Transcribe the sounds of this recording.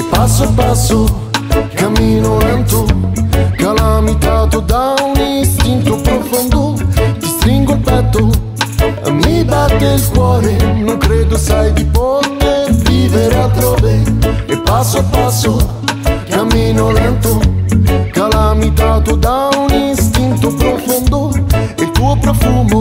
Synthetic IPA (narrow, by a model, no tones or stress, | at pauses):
pasːʊapasːo | kamːiːnʊlɛnt̪ʊ | kalamit̪aːt̪od̪auninst̪int̪opɾofond̪ʊd̪ist̪ɾiŋɡʊlpɛt̪ːʊ | a̰mːibakːeilkwɔːɾenõŋkɾed̪ʊsajd̪ipot̪eɾviveɾat̪ɾoveepːasːoapasːo | kamːinoalɛnt̪o | kalamit̪at̪od̪auninst̪int̪opɾofond̪oelt̪uːopɾofumo